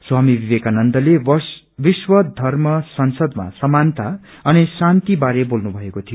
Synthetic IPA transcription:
swamibibekanʌnd̪ʌleʌ | biswʌd̪ʱʌrmʌsʌnsʌd̪ma̰sʌmant̪a | ʌnisant̪ibaɾebolnubʱʌekot̪ʰijo

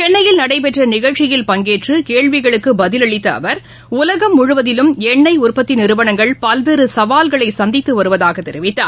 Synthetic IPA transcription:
t͡ʃɛɳːɐjɪlnɐɽɐɪp̬ɛʈrɐnɪɣɐɭt͡ʃɪjɪlpɐŋɡeːʈrɯkeːɻʋɪɣɐɭɯkːɯbɐðɪlɐɭɪt̪ːɐːʋɐɾ | ʊlɐɣɐmːʊɻʊʋɐðɪlɯmɛɳːɐɪʊrpɐt̪ːɪnɪɾɯʋɐnɐŋɡɐɭpɐlʋeːɾɯsɐʋaːlɣɐɭɐɪsɐnd̪ɪt̪ːɯʋɐɾɯʋɐðaːɣɐt̪ːɛɾɪʋɪt̪ːa̰ːɾ

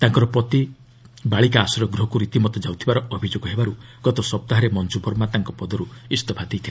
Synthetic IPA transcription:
t̪aŋkɔɾɔpɾɔt̪i | baɭik̬aːsɔɾɔɡɾɔɦɔkuɾit̪imɔt̪ɔd͡ʒawt̪ʰibaɾɔɔbʱid͡ʒoɡɔɦebaɾuɡ̥ɔt̪ɔsɔp̚t̪aɦaɾemɔnd͡ʒubʱɔɾmat̪aŋkɔpɔd̪ɔɾuist̪ɔpʰad̪ʱejt̪ʰila

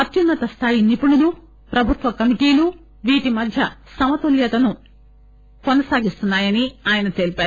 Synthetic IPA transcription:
ɐt̪junːɐt̪ɐst̪ʰaːjinipunulu | pɾɐbʱut̪ʋɐkɐmikiːlu | ʋiːʈimɐd̪ʱjɐsɐmɐt̪oljɐt̪ɐnu | konɐsaːɡist̪unːaːjɐniaːjɐnɐt̪e̞ːlipaːɾu

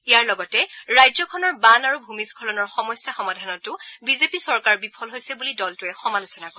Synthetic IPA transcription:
ijaɹlɔɡɔtɛɹajzɔkʰɔnɔɹbanaɹubʱumiskʰɔlɔnɔɹxɔmɔjsjaxɔmadʱanɔtʊbizepisɔɹkaɹbipʰɔlɦojsɛbulidɔltʊɛxɔmalusɔnakɔ

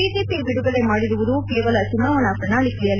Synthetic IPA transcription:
iːd͡ʒeːpibiɽuɡɐɭe̞maːɽiɾuʋud̪ukeːʋɐlɐt͡ʃumːɐʋɐnɐpɾɐnaːɭikɐɭjɐl

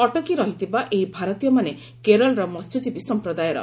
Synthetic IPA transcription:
ɔʈɔkiɾɔɦit̪ibaʔeɦibʱaɾɔt̪ijɔmane | keɾɔlɾɔmɔst̪ʰɔd͡ʒibisɔmpɾɔd̪ajɔɾɔ̰

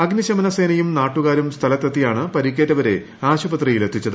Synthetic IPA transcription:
ɐɡniɕɐmɐnɐse̞ːnɐjumnaːʈːuɣaːɾumst̪ʰɐlɐt̪ːɐt̪ːijaːɳɨpɐɾik̬ʲːeːtːɐʋɐɾe̞ | aːɕubɐt̪rijilet̪ʰːit͡ɕːɐðɨ

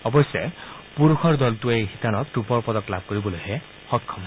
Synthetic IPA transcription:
ɔbɔsjɔpuɹuxʰɔɹd̪ɔltuejxitanɔk̚tupɔɹpɔd̪ɔklab̚ʱkoɹibɔlojɦɛ | xɔkʰːɔm

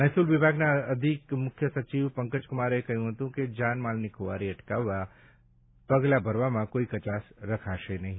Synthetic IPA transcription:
nɐjsulʋɪbʱaːɡnaɐd̪ʱikmʊkʰjəsɐt͡ʃiːʋpɐ̃ŋkət͡ʃkʊmaːɾekɐjũɦɐt̪ũked͡ʒaːnmaːlnɪkʰoʋa̰ːɾiɐʈkaʋa | pɐɡlabʱɐɾʋamãkoːikɐt͡ʃaːsɾɐkʰaʃenɐɦĩ

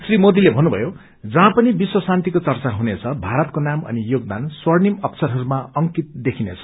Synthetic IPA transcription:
srimod̪ilebʱʌnːubʱʌjo | d͡zʌɦãpʌnibiswʌsant̪ikot͡sʌrt͡saɦunet͡sʰʌbʱaɾʌt̪̚konamʌ̰nijoɡ̚d̪answʌrnimʌpsʌɾɦʌɾumaʌŋkit̪̚d̪ekʰinet͡sʰʌ̥

